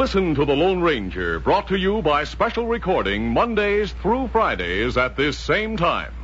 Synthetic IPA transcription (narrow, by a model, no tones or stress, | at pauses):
lɪsɨ̃ntəðəlõʊ̃nɹẽɪ̃nd͡ʒə̰˞bɹɔtʰɨjɨbaɪspɛʃl̩ˠɹɨkʰɔɹɾɪ̃ŋmʌ̃ndeɪz̥θɹufɹaɪɾeɪzɨt̪̚ðɪsẽɪ̃mtʰãɪ̃m